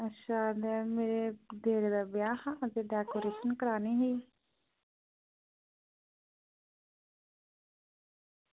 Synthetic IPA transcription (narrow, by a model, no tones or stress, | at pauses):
əʃaːd̪emeːɾed̪eːɾed̪abɪjaːxãəzeɖɛːkoːɾeːʃənkəɾaːniɦeiː